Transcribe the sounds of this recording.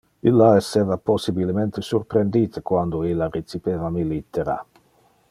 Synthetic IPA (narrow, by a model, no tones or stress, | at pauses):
ilːaesːeːvaposibilement̪esurpɾend̪iːt̪əkwand̪oilːaret͡sipeːvamilit̪ːeɾa̰